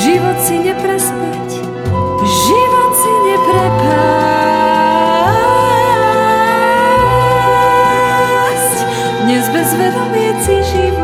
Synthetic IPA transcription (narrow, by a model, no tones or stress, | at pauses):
ʒiʋɔt̪siɲɛpɾɛspɛc | ʒiʋɔt̪siɲɛpɾɛkaa | sc | d̪ɲɛzbɛzʋɛd̪ɔmɪɛt͡siʒi